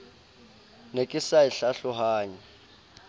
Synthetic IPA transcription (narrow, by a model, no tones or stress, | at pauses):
nekʼisaiɬaɬɔhaːɲɛ